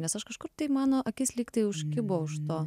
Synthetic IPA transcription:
nʲɛsɐʃkɐʃkʊɾt̪ɐɪmɑːnoːʔɐkʲɪslʲiːkt̪ɐɪʊʃkʲɪboːʊʃt̪oː

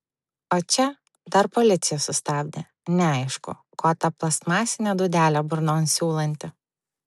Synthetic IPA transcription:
oːt͡ʃʲɛ | d̪ɐɾpɔlʲɪt̪sʲɪjɛsʊst̪ɑːbʲd̪ʲeː | nʲɛɐɪʃkʊ̰ | koːt̪ɐplˠɐsmɑːsʲɪnʲeːd̪ʊd̪ʲæːlʲobʊɾnoːnsʲuːlˠɐnʲt̪ʲɪ

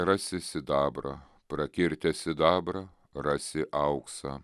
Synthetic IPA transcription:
ɾɐsʲɪsʲɪd̪ɑːbɾɐ | pɾɐkʲɪɾʲt̪ʲɛsʲɪd̪ɑːbɾɐ | ɾɐsʲɪʔɐʊksɐ

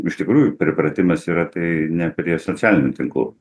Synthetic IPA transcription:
ɪʃt̪ʲɪkɾuːjʊpʲɾʲɪpɾɐt̪ʲɪmɐsiːɾɐt̪ɐɪnʲɛpʲɾʲiɛsot͡sʲæːlʲɪnʲʊt̪ʲɪŋklˠṵː

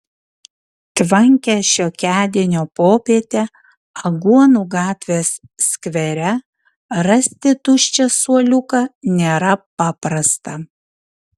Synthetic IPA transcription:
t̪ʲʋɐŋʲkʲæʃʲoːkʲæːd̪ʲenʲoːpoːpʲiɛt̪ʲe | ɐɡuɔnuɡɑːt̪ʲʋʲessʲkʲʋʲɛɾʲɛ | ɾɐsʲt̪ʲɪt̪ʊʃʲt͡ʃʲɛsuɔlʲʊkɑnʲeːɾɐpɑːpɾɐst̪ɐ

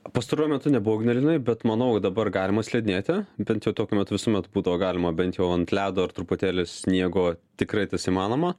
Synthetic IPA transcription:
pɐst̪ɐɾoːjmʲɛt̪ʊnʲɛbʊʋoːɡʲnʲɛlʲɪnɐɪbʲɛt̪mɐnɐʊd̪ɐbɐrɡɑːlʲɪmɐsʲlʲiɛd̪ʲɪnʲeːt̪ʲɪbʲɛnt̪jɛʊt̪oːkʲʊmʲɛt̪ʊʋʲɪsʊmʲɛt̪ʊbuːd̪ɐʋoːɡɑːlʲɪmɐbʲɛnt̪jɛʊɐnt̪lʲæːd̪oːɐrt̪ɾʊpʊt̪ʲeːlʲɪssʲnʲiɛɡoːt̪ʲɪkɾɐɪt̪ɐsimɑːnoːmɐ

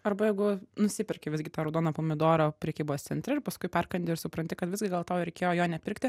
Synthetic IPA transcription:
ɐɾbɐjɛɪɡʊnʊsʲɪpʲɪɾʲkʲɪʋʲɪzɡʲɪt̪ɐɾoʊdoːnɐpoːmʲɪd̪oːɾoːpʲɾʲɛkʲiːboːssʲɛnʲt̪ʲɾʲɪɾpɐskʊɪpʲɛrkɐnʲd̪ʲɪɪɾsʊpɾɐnʲt̪ʲɪkɐt̪ʋʲɪzʲɡʲɪɡɐlˠt̪ɑʊɾʲɛɪkʲeːjoːjoːnʲɛpʲɪɾʲkt̪ʲɪ

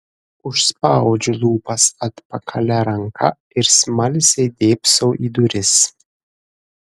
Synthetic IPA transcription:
ʊʃspaʊd͡ʒʲʊlˠuːpɐsɐt̪pɐkʰɐlʲæɾɐŋkʰɐ̰ | ɪɾsʲmɐlʲsʲɛɪd̪ʲeːpʲsoʊʔiːd̪ʊɾʲɪs

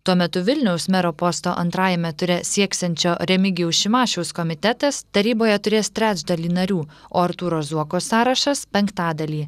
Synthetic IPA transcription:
t̪uɔmʲɛt̪ʊʋʲɪlʲnʲɛʊsmʲɛɾoːpoːst̪oːʔɐ̰nt̪ɾɑːjɛmʲɛt̪ʊɾʲɛsʲiɛkst̪ʲɛnʲt͡ʃʲoːɾʲɛmʲɪɡʲɪjɛʊʃʲɪmɑːʃʲɛʊskɔmʲɪt̪ʲɛt̪ʲɛːst̪ɐɾʲiːboːjɛt̪ʊɾʲeːst̪ʲɾʲæːd͡ʒd̪ɐlʲiːnɐɾʲuːo̰ːɐɾt̪uːɾoːszuɔkoːsɑːɾɐʃɐspʲɛŋkt̪ɑːd̪ɐlʲiː

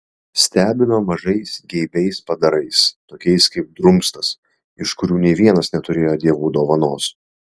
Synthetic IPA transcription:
sʲt̪ʲæːbʲɪnoːmɐʒɐɪsɡʲɛɪbʲɛɪspɐd̪ɐɾɐɪst̪oːkʲɛɪskɐɪp̚d̪ɾʊmst̪ɐs | ɪʃkʊɾʲuːnʲeːʋʲiɛnɐsnʲɛt̪ʊɾʲeːjoːd̪ʲiɛʋuːd̪oːʋɐnoːs

